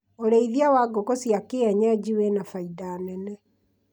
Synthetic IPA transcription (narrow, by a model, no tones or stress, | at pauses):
oɾeiðiawaɡokosjakeaɲad͡ʑiwɛnafaidaːnɛnɛ